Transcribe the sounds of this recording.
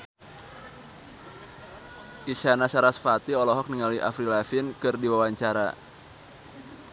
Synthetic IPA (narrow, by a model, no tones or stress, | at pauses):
ʔiʃanasaɾasfat̪iɔlɔɦɔk̚niŋaliʔa̰fɾilafɪnkɨrdiwawaɲt͡ʃaɾa̰